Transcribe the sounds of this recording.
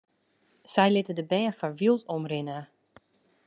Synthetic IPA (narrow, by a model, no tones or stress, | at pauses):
sɛjlɪtədəbɛːəfɔɹʋilˠtɔmrɪnə